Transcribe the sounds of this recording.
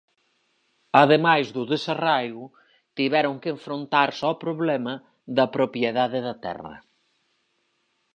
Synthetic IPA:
ɐðemajzðʊðesarajɣʊ | t̪iβɛɾʊŋkeɱfɾont̪aɾsɔpɾoβlɛmɐ | ðɐpɾopjeðaðɪðɐt̪ɛ̰rɐ̰

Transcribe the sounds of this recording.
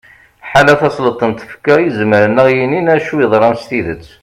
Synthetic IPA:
ħalæθɑsˤlət̪ˤːənt̪ə̥fkːæjəzməɾənːəʁjininæʃuiðˤɾˤɑmst̪iðət͡sː

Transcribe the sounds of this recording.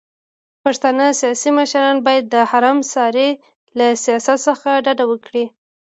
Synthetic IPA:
paʂt̪anəsijɑsiməʃɾɑnbɑjad̪ːəhaɾɑmsɑɾe | lasijɑsat̪səxaɖaɖawəkɽi

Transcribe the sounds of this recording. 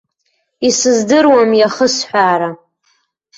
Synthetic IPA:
isɨzdɨrwamjaχəsħʷᶣaːɾa

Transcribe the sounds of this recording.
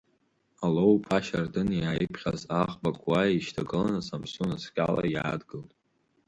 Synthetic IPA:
alowpʰaʃardɨnjaːjɪpʰχʲazaχbakʷʰʼwajiʃtʰaɡɨlanasamsunaskʲʼala̰jaːdɡɨltʼ

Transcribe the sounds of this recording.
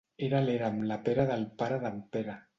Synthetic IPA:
eɾaleɾamlapeɾaðalpaɾaðampeɾa

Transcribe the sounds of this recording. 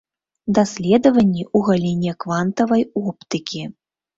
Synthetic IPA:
d̪asʲlʲɛd̪ɐvɐnʲːiuɣalʲinʲiɛɐkvant̪ɐvɐjɔpt̪ɨkʲi

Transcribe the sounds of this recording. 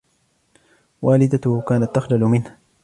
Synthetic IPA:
waːlɪd̪akaːnat̪ːaxlalʊmɪnha

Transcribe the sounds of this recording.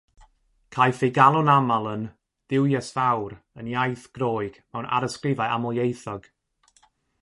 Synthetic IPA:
kʰajθeɡalˠɔnamalˠən | d̥ɪwjɛsvawɾənjajθɡ̥roːɨɡ̥mɛwnʔa̰ɾəskrɪvajʔa̰mɔjejθɔɡ̥

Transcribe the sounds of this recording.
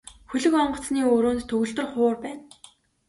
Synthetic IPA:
xɵɮɵ̆kɔɴɢɞ̆t͡sniːoːɾoːnt̪t̪ʰɵɣɵ̆ɮt̪ɵ̆rχʊːrpæːn

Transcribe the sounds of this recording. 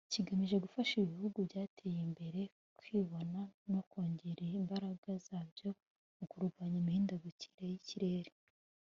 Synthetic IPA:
ciɡamiʒe̞ɡufaʃiβihuɡuvjaːtʰejimbe̞ɾe̞ | kwiːβo̞nano̞koːɲɟeɾeimbaɾaɡazaːvjo̞ | mukuɾɡwaːɲimihiːndaɡuci̥ɾejiciɾe̞ːɾe

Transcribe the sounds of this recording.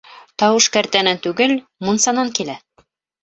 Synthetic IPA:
t̪ɑwɤʃkæɾt̪ænænt̪ʉɡɘl | munsɑnɑŋkilæ

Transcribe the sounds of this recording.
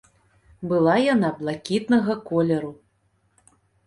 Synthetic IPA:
bɨlˠajanablˠakʲit̪nɐɣɐkɔlʲɛɾu

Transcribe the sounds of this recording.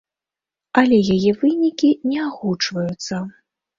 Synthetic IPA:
ɐlʲɛjajɛvɨnʲikʲinʲɛaɣut͡ʂvɐjut̪sːɐ

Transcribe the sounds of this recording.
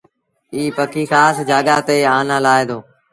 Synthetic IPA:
iːpəkiːxaːsd͡ʒaːɠaːt̪eːaːnãːlaːeːd̪oː

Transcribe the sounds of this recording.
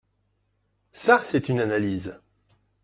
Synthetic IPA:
sasɛt̪ynanaliz

